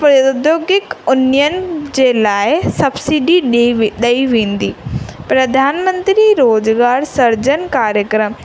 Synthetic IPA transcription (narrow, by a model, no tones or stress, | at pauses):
pɾod̪joːɡɪkʊnɪjənɪd͡ʑeːlaːɪsɐbsiɖiɗɐiʋẽːnd̪iːpɾɐd̪ʱaːnmə̃nt̪ɾiɾoːzɡaːɾsɐɾd͡ʑənkaːɾjəkɾəm